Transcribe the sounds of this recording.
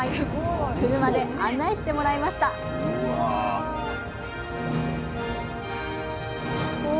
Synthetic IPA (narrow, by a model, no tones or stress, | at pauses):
kɯ̟ɾɯ̟mad̪e̞anːaiɕi̥t̪e̞mo̞ɾaimaɕi̥t̪a